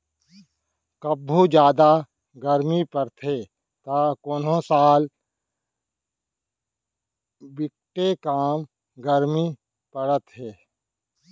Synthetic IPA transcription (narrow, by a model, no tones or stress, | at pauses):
kəbʱːud͡ʒjaːd̪a | ɡəɾmipəɾt̪ʰeː | t̪aːkoːnõsaːl | bɪk̚ʈekaːm | ɡəɾmi | pəɽət̪ɦeː